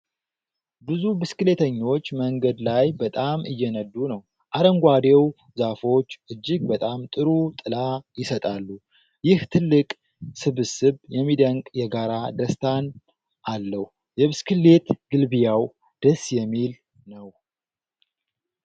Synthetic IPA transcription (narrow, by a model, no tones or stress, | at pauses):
bɨzubɨskɨle̞t̪ʰəɲːo̞t͡ʃːməŋɡəd̪lajbət̪ʼamʔɨjːɛnəd̪ːunəw | ʔaɾəŋɡʷad̪ew | zafo̞t͡ʃːʔɨd͡ʒːɪɡ̚bət̪ʼamt̪ʼɨɾut̪ʼɨlajɪsət̪ʼalːu | jɪht̪ʰɨlːɨkʼ | sɨβɨsɨβjɛmːid̪əŋkʼjɛɡaɾad̪əst̪ʰan | ʔalːəhu | jɛβɨskʰɨlːe̞t̪ɡ̥ɨlbijaw | d̪̥əsjɛmːil | nəw